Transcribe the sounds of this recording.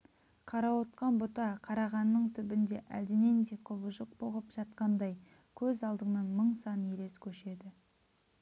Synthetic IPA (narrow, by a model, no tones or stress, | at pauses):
qʰɑɾɑwot̪qɑnbʊt̪ɑqʰɑɾɑʁɑnːəɴt̪ʰʏbɪnd̪e̞ʔæ̰ld̪ɪne̞nd̪e̞jqʰʊbəʒəq̚boʁəpʒ̥ɑt̪̚qɑnd̪ɑj | kʲʰɵzɑlˠd̪əɴnɑnməɴsɑnjele̞skʲʰɵʃe̞d̪ɪ